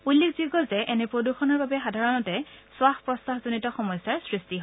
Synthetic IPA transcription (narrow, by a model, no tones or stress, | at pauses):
ulːikʰziɡɔlzɛʔɛnɛpɹoduxɔnɔɹbabɛxadʱaɹɔnɔtɛswaxpɹɔstaɦzonitɔxɔmɔjsaɹsɹistiɦɔ